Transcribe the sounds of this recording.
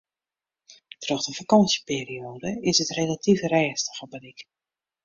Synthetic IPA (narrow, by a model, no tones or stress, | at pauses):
trɔχdəfakɑnsjəpeːɾioːdəɪsətrelatifrɛːstəχəbədik